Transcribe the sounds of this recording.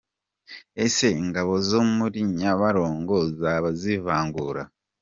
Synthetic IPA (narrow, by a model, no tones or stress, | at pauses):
eseŋɡaβo̞zoːmumuɾiɲaβaɾo̞ːŋɡozaβazivaːŋɡuɾa